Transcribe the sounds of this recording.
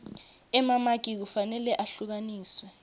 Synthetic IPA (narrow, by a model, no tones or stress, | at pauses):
ɛmamak̬ʼik̬ufanɛlɛʔaɬuk̬aniːswɛ